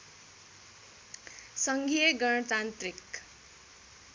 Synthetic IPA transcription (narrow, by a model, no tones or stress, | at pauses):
sʌŋɡʱijʌɡʌnʌt̪ant̪rik